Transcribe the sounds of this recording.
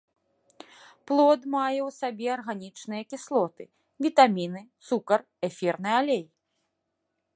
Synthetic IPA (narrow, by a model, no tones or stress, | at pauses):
plˠɔd̪majɛwsabʲɛɐrɣanʲit͡ʂnɨjɐkʲislˠɔt̪ɨ | vʲit̪amʲinɨt̪sukɐr | ɛfʲɛrnɨalʲej